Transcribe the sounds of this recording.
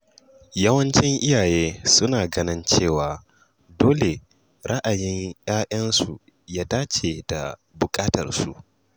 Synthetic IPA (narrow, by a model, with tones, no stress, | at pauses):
jɐ˦wɐ˦nt͡ʃɪ˦ŋʔɪ˦jaː˨jeː˦sʊ˦naː˨ɡɐ˦nɪ˦nt͡ʃeː˦˨waː˨ | doː˦le˨ | ɾɐ˦ʔa˨jɪ˦ɲj̰aː˦ʔʲɐ˦nsu˨ | jaː˦daː˦t͡ʃe˨da̰˨bʊ˨kʼaː˦tɐ̰˨rsṵ˨ʔ